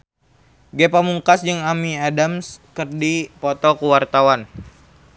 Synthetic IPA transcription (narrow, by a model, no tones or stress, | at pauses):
ɡɛpamuŋkasd͡ʒəŋamiadamskərdipɔt̪ɔkuwart̪awan